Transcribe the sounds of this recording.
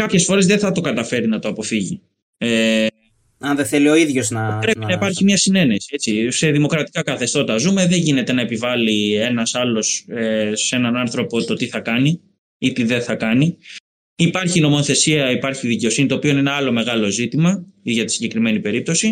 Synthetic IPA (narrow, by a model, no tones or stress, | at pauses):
kɐpçe̞sfo̞ɾe̞zðeθɐt̪o̞kɐt̪ɐfe̞ɾinɐt̪oɐpo̞fiʝi | e | ɐnðeθelio̞iðʝo̞znɐpɾe̞pinɐipɐɾçimɲɐsine̞ne̞sie̞t͡sise̞ðimo̞kɾɐt̪i̥kɐkɐθe̞st̪o̞t̪ɐzume̞ðe̞ɲʝine̞t̪e̞nɐepivɐlie̞nɐsɐlo̞sese̞nɐnɐnθɾo̞po̞t̪o̞t̪iθɐkɐni | it̪iðeθɐkɐni | ipɐɾçino̞mo̞θe̞siɐipɐɾçiðice̞o̞sinit̪oːpio̞inenɐɐlo̞me̞ɣɐlo̞zit̪imɐʝɐt̪i̥siɲɟe̞kɾime̞nipe̞ɾip̚t̪o̞si